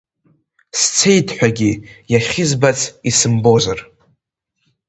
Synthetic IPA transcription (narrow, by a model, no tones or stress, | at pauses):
st͡sʰe̞jdʰħʷᶣaɡʲijaχʲɪzbat͡sʰisɨmbo̞zar